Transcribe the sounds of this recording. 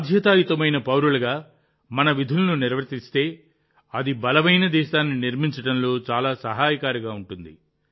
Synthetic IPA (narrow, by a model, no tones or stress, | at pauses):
d̪ʱjɐt̪aːjit̪ɐmɐjnɐpɐwɾulɐɡaː | mɐnɐʋid̪ʱulɐnuniɾʋɐɾt̪ist̪e̞ː | ɐd̪ibɐlɐmɐjnɐd̪ɛːʃaːnːiniɾmiɲt͡ʃɐʈɐnlo̞ːt͡ʃaːlaːsɐɦaːjɐkaːɾiɡaːuɳʈund̪ḭ